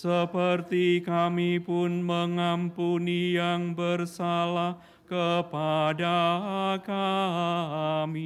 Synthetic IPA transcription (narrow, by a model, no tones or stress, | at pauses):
səpərt̪ikamipʊnməŋampunijaŋbərsalah | kəpadaka | mi